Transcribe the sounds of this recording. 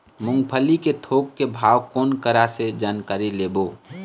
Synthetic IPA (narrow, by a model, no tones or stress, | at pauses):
mʊ̃ŋɡpʰəliket̪ʰoːkːebʱaːwkoːnkəɾased͡ʒaːnkaːɾileːbo